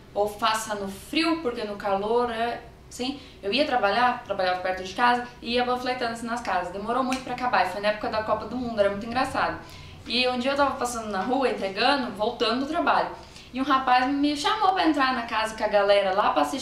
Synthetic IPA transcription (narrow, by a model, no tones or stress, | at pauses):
owfasɐnʊfɾiwpoɾkenʊkaloɾɛ | sĩ | ewiɐt̪ɾabaʎat̪ɾabaʎavɐpɛɾt̪ʊd͡ʒɪkazɐɪiɐbɐ̃flet̪ɐ̃nd̪ʊsɪnɐskazɐsd̪emoɾowmũj̃t̪ʊpɾɐakabaɪfojnɐɛpʊ̥kɐd̪ɐkɔpɐd̪ʊmũnd̪ʊɛɾɐmũj̃t̪ĩɡɾasad̪ʊ | ɪũd͡ʒiɐewt̪avɐpasɐ̃nd̪ʊnɐɦuɐĩt̪ɾeɡɐ̃d̪ʊvowt̪ɐ̃d̪ʊʊt̪ɾabaʎʊ | ɪũɦapazmɪʃamowpɾɐẽnt̪ɾaɾnɐkazɐkɐɡalɛɾɐlapɾasi